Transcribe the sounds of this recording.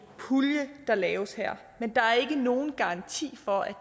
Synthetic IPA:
pʰuljəd̥ɑ̈lɛːʊəsheɐ̰ | mend̥ɑ̈æɐe̝ɡ̥əno̝ːn̩ɡ̥ɑ̈ɑ̈ŋt͡sʰḭːfɒ̽æ̥

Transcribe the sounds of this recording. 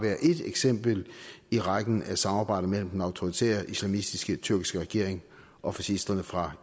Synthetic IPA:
ʋæɐðˠʔe̝d̥eɡ̥sem̰b̥l̩iʁaɡ̥n̩æsɑ̈mɑ̈ːb̥ɑ̈ɪ̰d̥̩ˠmel̰m̩d̥en̩ɑ̈ʊt͡sʰo̝ʁit͡sʰḛːɐʔislæmisd̥isɡ̥ət͡sʰyɐɡ̥isɡ̥əʁɛɡ̥e̝ɐe̝ŋ | ʔɒ̽fæɕisd̥ɐnəfʁɑ̈

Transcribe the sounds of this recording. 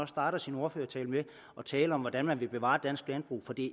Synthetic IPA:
ɒ̽sd̥ɑ̈ːɾ̥ɐsino̝ɐføːɐt͡sʰɛːləme | ɒ̽t͡sʰɛːləɒ̽mʋɒd̥ænmænʋe̝b̥e̝ʋɑ̰̈d̥æn̰sɡ̥lænb̥ʁṵːfɒ̽d̥i

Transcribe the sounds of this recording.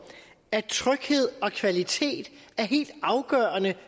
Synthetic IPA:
æt͡sʰʁœɡ̥he̝ð̞̰ˠɒ̽kʰʋælit͡sʰe̝̰ːd̥æɐɦe̝̰ːld̥ɑ̈ʊɡ̥ɶɐnə

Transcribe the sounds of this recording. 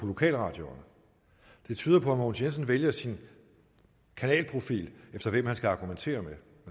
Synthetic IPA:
pʰɒ̽lo̝kʰɛ̰ːlʁɑ̰̈ːd̥jo̝ɐnə | d̥e̝t͡sʰyːð̞ˠɐpʰɒ̽æmoːnsens̬ən̩ʋeljɐsin | kʰænɛ̰ːlpʰʁo̝fḭːlefd̥ɐʋem̰ɦhænsɡ̥æɑ̈ɡ̥ument͡sʰe̝̰ːɐme

